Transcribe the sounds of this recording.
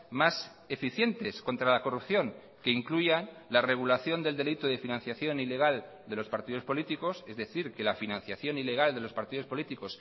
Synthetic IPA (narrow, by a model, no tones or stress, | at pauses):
mas | e̞fiθje̞nt̪e̞sko̞nt̪ɾalako̞rupθjo̞ŋ | ke̞iŋkluʝa | lare̞ɣ̞ulaθjo̞nd̪e̞ld̪e̞lit̪uðe̞finãn̟θjaθjo̞nile̞ɣ̞al | d̪e̞lo̞spaɾt̪iðo̞spo̞lit̪iko̞se̞zðe̞θiɾke̞lafinãn̟θjaθjo̞nile̞ɣ̞ald̪e̞lo̞spaɾt̪iðo̞spo̞lit̪iko̞s